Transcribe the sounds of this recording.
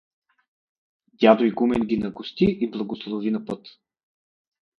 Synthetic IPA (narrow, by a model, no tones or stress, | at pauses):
d̪ʲad̪oiɡumɛnɡʲinɐɡʊst̪iʔiblˠɐɡoslˠovinɐpɤt̪